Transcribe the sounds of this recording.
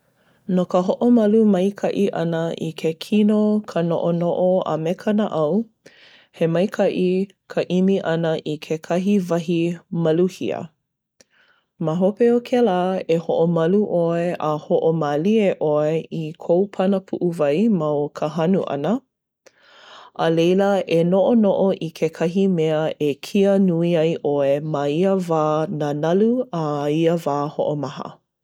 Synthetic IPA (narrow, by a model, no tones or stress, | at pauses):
nokəɦoʔomɐlumɐjkʰɐʔiʔɐ̰nəʔḭkʰekʰinokʰəno̰ʔonoʔoə̰mekʰənəʔɐw | hemɐjkʰɐʔi | kʰəʔimiʔɐnəʔikʰekʰɐɦivɐɦimɐluhḭə̰ | maɦopeokʰelaːehoʔomɐluʔoeʔəhoʔomalieʔoeikʰowpʰɐnəpʰuʔuvɐjmawkʰəɦɐnuʔɐ̰nə | ʔəlejləenoʔonoʔoʔikʰekʰɐɦimeəekʰiənuiɐjʔoemaiəvaːnanɐluaiəvaːhoʔomɐɦə̰